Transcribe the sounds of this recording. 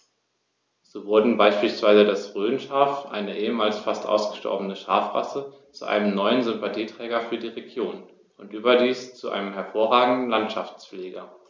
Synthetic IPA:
z̥oːvʊɐdn̩baɪʃpiːlsv̥aɪzədasʁøːnʃaːfʔa̰ɪnəʔeːəmaːlsfastʔa̰ʊsɡ̥əʃtɔ̰ɐbənəʃa̰ɐfʁa̰sə | t͡suʔa̰ɪnəmnɔʏənzʏmpatʰiːtʁ̥ɛːɡɐfyːɐdiːʁeɡjoːn | ʔʊntʔyːbɐdiːst͡suʔa̰ɪnəmɦɛɐfoːɐʁaːɡŋ̩dn̩lantʃaft͡sfleːɡɐ

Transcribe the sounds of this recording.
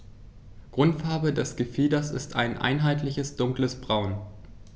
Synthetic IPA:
ɡ̥ʁʊntfaɐbədɛsɡ̥əfiːdɐsɪstʰa̰ɪnʔa̰ɪnɦaɪtʰlɪçəsd̥ʊŋkləsb̥ʁaʊn

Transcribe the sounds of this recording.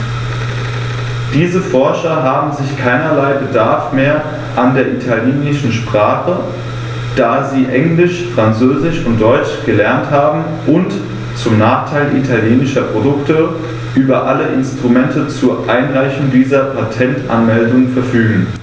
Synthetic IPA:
d̥iːzəfɔɐʃɐɦaːbm̩zɪçkʰaɪnɐlaɪbədaɐfmeːɐ | ʔandeːɐʔitʰaljeːnɪʃn̩ʃpʁ̥aːχə | d̥aːziːʔɛŋlɪʃfʁ̥ant͡søːzɪʃʊnt̚d̥ɔʏt͡ʃɡ̥əlɛɐnthaːbm̩ | ʔʊnt | t͡sʊmnaːχtʰaɪlʔḭtʰaljeːnɪʃɐpʁ̥odʊktə | ʔyːbɐʔaləʔɪ̰nstʁ̥umɛntʰət͡suɐʔaɪnʁaɪçŋdiːzɐpʰatʰɛntʔa̰nmɛldʊŋənfɛɐfyːɡŋ̩

